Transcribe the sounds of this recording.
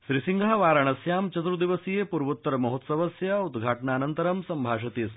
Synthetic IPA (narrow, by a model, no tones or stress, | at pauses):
ʃɾisiŋɡʱaːʋaːɾaɳɐsjaːmt͡ɕɐt̪ɾud̪iʋɐsijepuɾʋut̪ːɐɾɐmɐɦut̪sɐʋɐsjɐud̪ɡʱaːʈɳaːnɐnt̪ɐɾɐmsɐmbʱaːʂɐt̪iːs